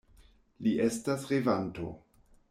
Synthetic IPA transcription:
liʔe̞stasʁevanto̞̰

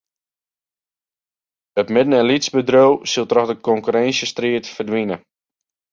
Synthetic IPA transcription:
ətmɪdən̩ɛnlisbədrowsilˠtrɔxdəkɔŋkyɾɛnsjəstriətfərdʋinə

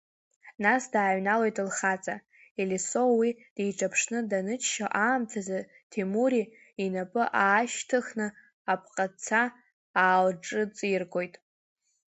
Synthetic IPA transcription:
nasdaːɥnalojtʼɨlχat͡sʼa | eliso̞wid̥ejʈ͡ʂʰʼapʰʂnɨdanɨt͡ʃʰʃaʔaːmtʰaza | tʰemuɾi | inapʼɨʔaːʃtʰɨχnɨ | apʰqʼat͡sʰaː | lʈ͡ʂʼɨt͡sʼɨjrɡʼo̞jtʼ

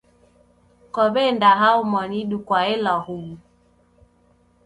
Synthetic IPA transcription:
kɔɓendaɦaumɔniɗukwaelɔhuɡu

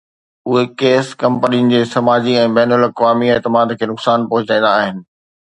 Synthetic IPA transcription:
ʊɦekeːskɐ̃mpəninɪ̆d͡ʑeːsɐmaːd͡ʑiɛ̃ːbɛːnəlɐkʋaːmiɛːt̪ɪmaːd̪kʰeːnʊksaːnpɐɦʊt͡ɕãːn̆d̪aːɦɪnɪ̆

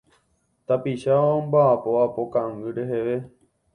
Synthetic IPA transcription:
t̪apiʃaʋaõmbaːpoapo̞kãŋɨɾeɦeʋe̞

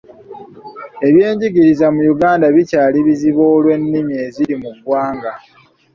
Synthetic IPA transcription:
e̞βje̞ːɲɟiɡiɾizamujuɡaːndaβicaːliβiziβo̞ːlwe̞nːimie̞ziɾimuɡwaːŋɡa

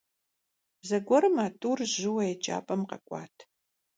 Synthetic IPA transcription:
bzɐɡʷɔɾɨmaːtʼuːrʒɪwɐjɛt͡ʃʼa̰ːpʼɐmqɐ̰kʷʼɑ̰ːtʰ

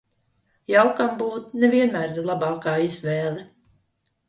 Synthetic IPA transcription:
jawkambuːt̪nɛvʲiɛnmæːɾlˠabɑːkaːizvɛːlˠi

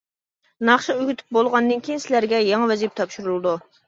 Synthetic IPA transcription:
nɑχʃɑøɡʲyt̪ʰy̥p̚bolˠʁɑnd̪ɨnkʲijinsɪlæɾɡʲɛjɑŋɑvɛzip̚t̪ʰɑpʃuɾulˠɨd̪u

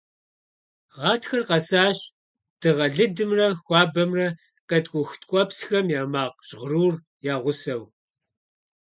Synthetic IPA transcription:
ʁɑːtxɐrqɐsaːɕ | d̥ɨʁɐɮɨdɨmrɐxʷɑːbɐmrɐ | qɐtʼkʷʼʊxtkʷʼɔpsxɐmjaːmaːqɕʼʁruːr | jaːʁʷʊsɐw

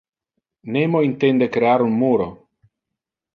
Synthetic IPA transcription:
nemoint̪end̪ekɾeaɾunmuɾo

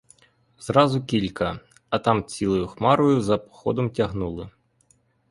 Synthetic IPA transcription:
z̥ɾɑzʊkʲilʲkɐ | ɐt̪ɑmt͡sʲilˠɔjʊxmɑɾʊjʊzɐpɔ̥xɔd̪ɔmtʲɐɦnulˠɪ

